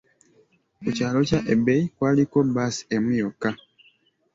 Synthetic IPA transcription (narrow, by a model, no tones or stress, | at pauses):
kucaːlocaʔebeikwaːlikobasemujokːa